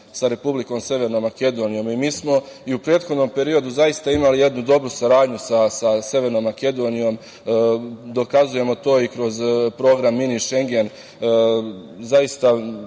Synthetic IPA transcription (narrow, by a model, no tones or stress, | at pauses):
saɾe̞publiko̞mse̞ʋe̞ɾno̞mːake̞d̪o̞ːnijo̞mimiːsmo̞iupɾe̞ːt̪xo̞d̪no̞mpe̞ɾio̞d̪uzaist̪aimalije̞d̪nud̪o̞bɾusaɾaːd̪ɲusasase̞ʋe̞ɾno̞ːmːake̞d̪o̞ːnijo̞m | d̪o̞kazuje̞mo̞t̪o̞ːikɾo̞zpɾo̞ːɡɾamːiniʃe̞ŋɡe̞n | zajist̪a